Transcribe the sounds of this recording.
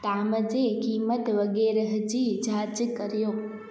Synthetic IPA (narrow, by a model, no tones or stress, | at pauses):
t̪aməd͡ʒekimət̪ʋəɡeɾɦəd͡ʒid͡ʒad͡ʒkəɾjoː